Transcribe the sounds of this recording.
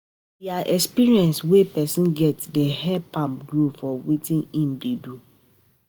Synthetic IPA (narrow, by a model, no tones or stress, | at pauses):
iaʔɛkspiɹiɛ̃nswɛpɛsĩnɡɛtdəɦɛpʰãmpɡɹofɔwetĩnĩmbidu